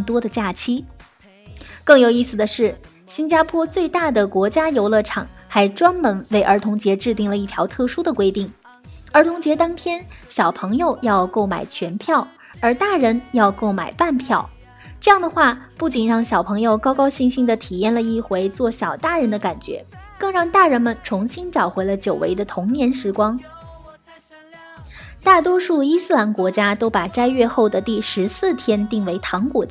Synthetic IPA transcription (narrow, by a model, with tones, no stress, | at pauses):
ɤ˥˩t̪wɔ˥d̪ə˨t͡ɕja˥˩t͡ɕʰi˥ | kɤ˥˩ŋjo˨˩ʊi˥˩s̩˩d̪ə˩ʂɻ̩˥˩ | ɕi˥nt͡ɕja˥pʰwɔ˥t͡swe˥˧ɪt̪a˥˩d̪ə˩kwɔ˧˥t͡ɕja˥jo˧˥ʊlɤ˥˩ʈ͡ʂʰɑ˨˩˦ŋxa˧˥ɪʈ͡ʂwa˥nmə˧˥nwe˥˩ɪʔə˞˧˥t̪ʰʊ˧˥ŋt͡ɕjɛ˧˥ʈ͡ʂɻ̩˥˧t̪i˥˩ŋlə˩i˥˩t̪ʰjɑ˧˥ʊt̪ʰɤ˥˩ʂu˥d̪ə˨kwe˥ɪt̪i˥˩ŋ | ə˞˧˥t̪ʰʊ˧˥ŋt͡ɕjɛ˧˥t̪ɑ˥ŋt̪ʰjɛ˥nɕjɑ˨˩ʊpʰɤ˧˥ŋjo˧ʊjɑ˥˧ʊko˥˩ʊma̰˨˩ɪt͡ɕʰɥɛ˧˥npʰjɑ˥˩ʊ | ə˞˧˥t̪a˥˩ɻə˧˥njɑ˥˧ʊko˥˩ʊma̰˨˩ɪpa˥˩npʰjɑ˥˩ʊ | ʈ͡ʂɤ˥˧jɑ˥˩ŋd̪ə˩xwa˥˧pu˥˩t͡ɕi˨˩nɻɑ˥˩ŋɕjɑ˨˩ʊpʰɤ˧˥ŋjo˧ʊkɑ˥ʊkɑ˥ʊɕi˥˧ŋɕi˥˩ŋd̪ə˩t̪ʰi˨˩jɛ˥˩nlə˩i˥˩xwe˧˥ɪt͡swɔ˥˩ɕjɑ˨˩ʊt̪a˥˩ɻə˧˥nd̪ə˧ka˨˩nt͡ɕɥɛ̰˧˥kɤ˥˧ŋɻɑ˥˧ŋt̪a˥˩ɻə˧˥nmə˨nʈ͡ʂʰʊ˧˥ŋɕi˥nʈ͡ʂɑ˨˩ʊxwe˧˥ɪlə˧t͡ɕjo˨˩ʊwḛ˧˥ɪd̪ə˧t̪ʰʊ˧˥ŋnjɛ˧˥nʂɻ̩˧˥kwɑ˥ŋ | t̪a˥˩t̪̬wɔ˥ʂu˥˩i˥sɹ̩˥˩la˧˥nkwɔ˧˥t͡ɕja˥t̪o˥ʊpa˨˩ʈ͡ʂa˥ɪɥɛ˥˧xo˥˩ʊd̪ə˩t̪i˥˩ʂɻ̩˧˥sɹ̩˥˩t̪ʰjɛ˥nt̪i˥˩ŋwe˧˥ɪt̪ʰɑ˧˥ŋkwɔ˨˩˥